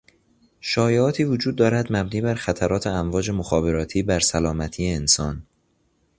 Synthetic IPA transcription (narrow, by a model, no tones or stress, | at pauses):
ʃɒːjeɒːt̪ʰiːvod͡ʒuːd̪ːɒːɾæd̪mæbniːbæɾxæt̪ʰæɾɒːt̪ʰeæɱvɒːd͡ʒe̞moxɒːbe̞ɾɒːt̪ʰiːbæɾsælɒːmæt̪ʰiːeːnsɒːn